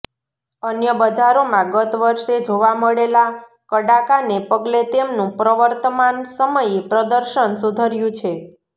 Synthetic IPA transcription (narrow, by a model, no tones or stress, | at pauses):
ənjəbəd͡ʒaɾomãɡət̪ʋəɾʃed͡ʒoʋaməɭela | kəɽakanepəɡlet̪emnũpɾəʋəɾt̪əmansəməjepɾəd̪əɾʃənsud̪ʱəɾjũt͡ʃʰe